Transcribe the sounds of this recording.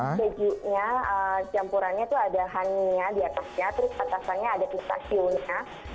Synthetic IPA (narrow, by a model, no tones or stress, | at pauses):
bəd͡ʒuʔɲaət͡ʃampuɾanɲat̪uadaɦaniɲadiat̪asɲat̪əɾʊsat̪asanɲaːdapist̪a̰sionɲa